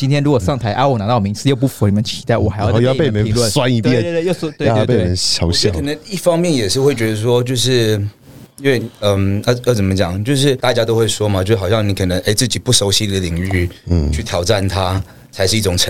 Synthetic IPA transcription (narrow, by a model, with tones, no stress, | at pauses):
t͡ɕi˥nt̪ʰjɛ˥nɻu˧˥kwɔ˨˩ʂɑ˥˩ŋt̪ʰa˧˥ɪʔa˥wɔ˨˩na˧˥ɑ˥˩m˨˩i˧ŋt͡sʰɹ̩˧jo˥˧ʊp̬u˥˩fu˧˥˧n˨˩ə˦nt͡ɕʰi˧˥t̪a˥˩ɪwɔ˨˩xa˧˥jɑ˥˧˩pe˥˨mə˧˦i˧ŋlə˥˨swa˥ni˧˥t̪jɛ˥˨˥jo˥˧ʊsɔ˥t̪we˥˧˥e˥˨˥mə˧˦njɑ˧˥ʊjkʰə˨˩nə˧˦ŋi˥˩fɑ˥ŋmjɛ˥˨njɛ˨˩ʂɻ̩˥˧xwe˥˩ɪt͡ɕɥɛ˧˥d̪ə˧ʂ̬wɔ˦˥t͡ɕjo˥˧ʊʂɻ̩˥˩ | i˥nwe˥˩ɪə˧mə˧˥˩t͡sə˨˩mə˦t͡ɕjɑ˨˩ŋt͡ɕjo˥˧ʊʂ̬ɻ̩˥˧t̪a˥˩t͡ɕja˥t̪o˥ʊxwe˥˩ɪʂwɔ˥mɐ˨t͡ɕo˥˧˥ɑ˨˩ɕjɑ˥˩ŋni˨˥kʰɤ˨˩nə˧˦ŋʔe˥˩ɪt͡sɹ̩˥˩t͡ɕi˨˩pu˥˩ʂo˧˥ʊɕi˧˥˧i˧d̪ə˧li˨˩ŋy˥˩t͡ɕʰy˥˩t̪ʰjɑ˨˩ʊʈ͡ʂa˥˩nt̪ʰa˦ | t͡sʰa˧˥ɪʂɻ̩˥˧i˥˩ʊ˨˩ŋʈ͡ʂʰə˦